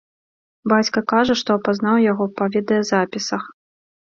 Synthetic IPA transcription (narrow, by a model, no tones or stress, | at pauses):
bat͡sʲkɐkaʐɐʂt̪ɔɐpaznawjaɣɔpavʲɛd̪ɐjɛzapʲisɐx